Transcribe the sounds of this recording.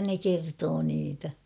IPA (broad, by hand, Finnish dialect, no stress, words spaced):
ne kertoː niːtæ